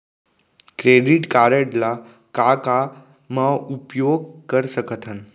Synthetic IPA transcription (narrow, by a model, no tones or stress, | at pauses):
kɾeɖiʈkaɾəʈla | kaka | məupjoɡ̚kəɾsəkət̪ʰan